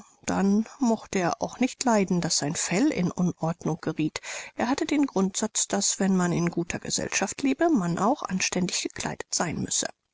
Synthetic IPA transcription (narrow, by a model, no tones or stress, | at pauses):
d̥a̰nmɔxtəeːɐʔa̰ʊxnɪçtlaɪdn̩dasz̥aɪnfɛlɪ̰nʔʊnʔɔɐdnʊŋɡ̥əʁiːtʔeːɐhatədeːnɡʁʊntz̥at͡sd̥asv̥ɛnmanɪnɡuːtʰɐɡə̰z̥ɛ̰lʃaftleːbəmanʔa̰ʊxʔa̰nʃtɛndɪçɡ̥ə̥kʰl̥a̰ɪdətz̥aɪnmʏsə̰